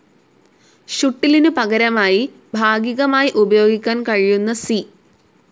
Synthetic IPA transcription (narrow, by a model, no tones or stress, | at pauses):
ɕuʈːilinupɐɣɐɾɐmaːji | bʱaːɡiɣɐmaːjiʔubɐjo̞ːɡikʲːaːnkɐɻijunːɐsi